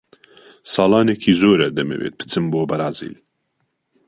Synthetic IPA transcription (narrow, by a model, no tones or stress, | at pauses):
sɑːlˠɑːneːkʰizoːɾɐd̪ɛmɛ̰wḛːt̪̚pʰɨ̥t͡sɨmboːbɐɾɑːzḭːl